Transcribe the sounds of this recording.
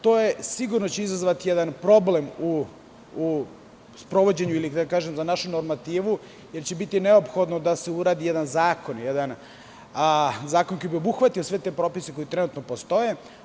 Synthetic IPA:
t̪o̞ːje̞siɡuɾnot͡ɕeizazʋat̪ijed̪anpɾo̞ble̞mu | spɾo̞ʋo̞d͡ʑeɲuilid̪akaːʒemzanaʃunoɾmat̪iːʋu | je̞ɾt͡ɕebit̪ineopxo̞d̪no̞d̪aseuɾaːd̪ijed̪anzaːko̞njed̪an | zaːkonko̞jbio̞buxʋat̪iosʋe̞t̪e̞pɾo̞ːpiseko̞jit̪ɾenut̪nopost̪o̞je̞

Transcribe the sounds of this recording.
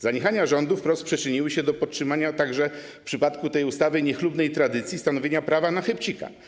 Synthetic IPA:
zaɲixaɲaʐɔnd̪ufpɾɔspʂɛt͡ʂɘɲiwɘɕɛd̪ɔpɔtʂɘmaɲat̪aɡʐɛ | pʂɘpat̪kut̪ɛjust̪avɘɲɛxlubnɛjt̪ɾad̪ɘt̪sʲjist̪anɔvʲjeɲapɾavanaxɛpt͡ɕika̰

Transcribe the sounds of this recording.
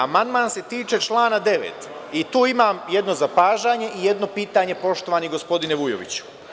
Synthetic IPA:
amand̪manse̞t̪iːt͡ʃe̞t͡ʃlˠaːnad̪e̞ʋḛt̪ | it̪uːimaːmje̞d̪no̞zapaːʒaːɲe̞ʔije̞d̪no̞piːt̪aɲe̞po̞ʃt̪o̞ʋaniɡo̞spo̞d̪ineʋujo̰ʋḭt͡ɕu̥

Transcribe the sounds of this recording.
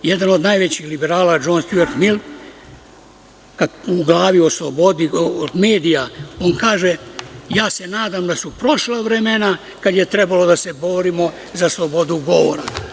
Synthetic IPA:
jed̪ano̞d̪najʋet͡ɕixlibeɾaːlad͡ʒoːnst̪jueɾt̪mil | kauɡlˠaːʋioslobod̪id̪meːd̪ijao̞ːnkaːʒejaːse̞naːd̪amd̪asupɾo̞ʃlaʋɾemena | kad̪je̞t̪ɾe̞balo̞d̪ase̞bo̞ɾimo̞ | zaslˠo̞bo̞d̪uɡo̞ʋo̰ɾa̰

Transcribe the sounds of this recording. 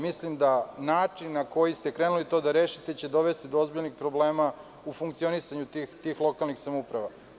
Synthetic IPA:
mislimd̪anaːt͡ʂinːako̞jist̪ekɾenulit̪o̞ːd̪aɾeːʃit̪et͡ɕe̞d̪o̞ʋe̞st̪id̪oozbiʎnixpɾo̞ble̞ːma | ufuŋk̚t̪sio̞nisaɲut̪ixt̪iːxlˠo̞kalˠnixsamoupɾaʋa

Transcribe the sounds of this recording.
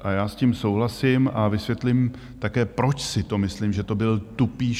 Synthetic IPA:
ʔajaːsciːmso̞wɦlasɪmʔavɪsvjɛt̪lɪm | t̪akɛːpɾo̞t͡ʃsɪt̪o̞mɪslimʒɛt̪o̞bɪlt̪upiː

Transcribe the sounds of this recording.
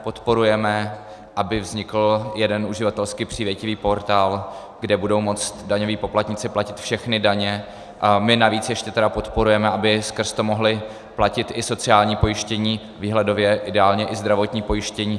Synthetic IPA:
po̞t̪po̞ɾujɛmɛ | ʔabɪvzɲɪkl̩jɛdɛnuʒɪvat̪ɛlskipr̝̥iːvjɛcɪviːpo̞ɾt̪aːl | ɡdɛbudo̞wmo̞t͡st̪daɲo̞viːpo̞plat̪ɲɪt͡sɪplacɪt̪fʃɛxnɪdaɲɛ | mɪnaviːt͡sjɛʃcɛt̪ɛdapo̞t̪po̞ɾujɛmɛʔabɪskr̩st̪o̞mo̞ɦlɪ | placɪt̪ʔɪso̞t͡sɪaːlɲiːpo̞jɪʃcɛɲiː | viːɦlɛdo̞vjɛʔɪdɛaːlɲɛʔɪzd̪ɾavo̞t̪ɲiːpo̞jɪʃcɛɲiː

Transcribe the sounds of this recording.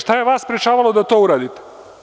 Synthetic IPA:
ʃt̪ajeʋaːsspɾet͡ʃaːʋalod̪at̪o̞uɾaːd̪it̪e̥

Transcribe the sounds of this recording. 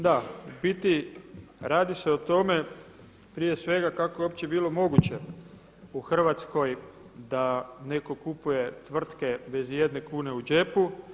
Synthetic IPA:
d̪abit̪i | ɾaːd̪ise̞ot̪o̞me̞ | pɾijesʋe̞ɡakakojeopt͡ɕe̞biːlˠo̞mo̞ɡut͡ɕe̞ | uxr̩ʋat̪sko̞j | d̪ane̞ko̞kupuje̞t̪ʋr̩t̪ke̞be̞zjed̪ne̞kuːne̞ud͡ʒe̞pu

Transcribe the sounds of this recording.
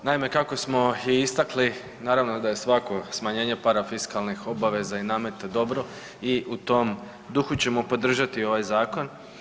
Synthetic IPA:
naime̞kako̞smo̞iist̪akli | naːɾaʋno̞d̪aje̞sʋako̞smaɲe̞ːɲe̞paɾafiskalnixo̞baʋe̞zainaːme̞t̪ed̪o̞bɾo̞ | iut̪o̞m | d̪uxut͡ɕe̞mo̞po̞d̪r̩ʒat̪io̞ʋajzaːko̞n

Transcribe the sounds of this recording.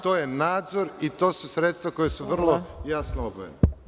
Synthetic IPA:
t̪oːjenaːd̪zoɾit̪o̞ːsusɾet̪st̪vako̞jesuʋr̩lˠojasnoobojḛne

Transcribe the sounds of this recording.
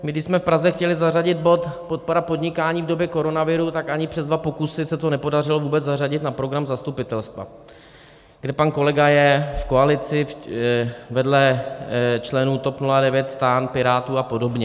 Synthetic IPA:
mɪɡdɪʃsmɛfpɾazɛxcɛlɪzaraɟɪt̪̚bo̞t̪po̞t̪̚po̞ɾapo̞dɲɪkaːɲiːvdo̞bjɛko̞ɾo̞navɪɾut̪akʔaɲɪpr̥ɛzdvapo̞kusɪsɛt̪o̞nɛpo̞darɪlo̞vuːbɛt͡szar̝aɟɪt̪napɾo̞ɡɾamzast̪upɪt̪ɛlst̪va̰ | ɡdɛpanko̞lɛɡajɛfko̞alɪt͡sɪ | vɛdlɛ | t͡ʃlɛnuːt̪o̞pnuladɛvjɛt̪st̪aːnpɪɾaːt̪uːapo̞do̞bɲɛ

